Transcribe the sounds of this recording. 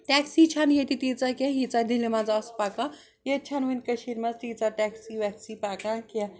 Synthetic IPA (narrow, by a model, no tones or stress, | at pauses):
ʈɛksit͡ʃʰanjet̪it̪it͡sakʲɛ̃ɦit͡sad̪ʱilemad͡zaːspakã | jet̪̚t͡ʃʰanʋɐnʲkɐʃiɾmɐt͡st̪it͡saʈɛksiʋɛksipakãkʲɛ